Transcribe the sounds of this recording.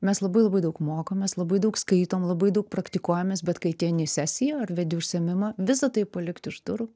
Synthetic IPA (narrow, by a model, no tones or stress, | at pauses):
mʲɛslˠɐbɐɪlˠɐbɐɪd̪ɐʊkmoːkoːmʲɛslˠɐbɐɪd̪ɐʊkskɐɪt̪oːmlˠɐbɐɪd̪ɐʊk̚pɾɐkt̪ʲɪkuɔjɛmʲeːs̬bʲɛt̪kɐɪt̪ʲiːnʲɪsʲæːsʲɪjɛɐrʋʲɛd̪ʲɛʊʃʲsʲɛmʲɪmɐʋʲɪsɐt̪ɐɪpɐlʲɪkt̪ɪʃd̪ʊɾʊ